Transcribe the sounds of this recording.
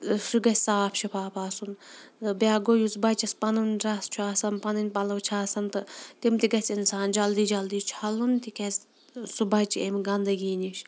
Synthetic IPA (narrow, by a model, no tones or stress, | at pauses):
ʃuɡɐsʲsaːpʰʃipʰaːpaːsunt̪ɨbjaːɡojuzbɐt͡ʃɐspɐnunʲɾɐst͡ʃʰuaːsɐnpɐnɨnʲpɐlɐwt͡ʃʰaːsɐnt̪ɨt̪imt̪iɡɐt͡sinsaːnd͡ʒɐld̪iːd͡ʒɐld̪iːt͡ʃʰɐlunt̪ikʲɐs | subɐt͡ʃiemɡɐnd̪ɐɡiːniʃ